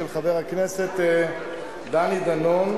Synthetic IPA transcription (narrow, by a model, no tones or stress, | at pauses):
elχaveʁhakneset̪ | d̪anid̪anon